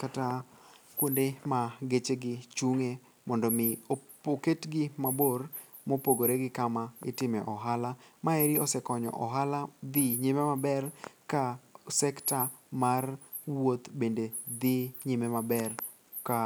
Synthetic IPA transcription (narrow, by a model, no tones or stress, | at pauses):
katakondemaɡet͡ʃeɡɪt͡ʃuŋe | mɔndɔmɪopoketɡɪmabor | mopoɡoɾeɡɪkamaɪ̰tɪmɛʔɔɦalamaeɾiɔsɛkɔɲɔ̰ʔɔɦalad̪ɪɲimemabɛrkasɛkta | mar | wot̪bended̪ɪɲimemabɛr | ka